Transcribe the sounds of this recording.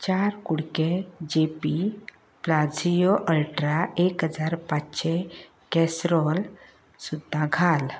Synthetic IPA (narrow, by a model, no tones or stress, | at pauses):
t͡ɕaɾkuɽked͡ʑepi | plad͡zijoʔəɭʈɾaʔekɦəd͡zaɾpat͡ɕɕe | kɛsɾɔl | sud̪ʱːãɡʱal